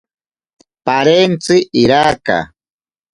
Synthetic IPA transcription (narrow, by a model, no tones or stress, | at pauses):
paɾent͡sɪʔiɾaːka̰